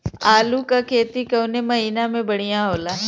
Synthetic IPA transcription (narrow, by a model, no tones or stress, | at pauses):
aːlukakʰeːt̪ikɐʊnemɐɦiːnamẽbəɽ̤ijãɦoːlaː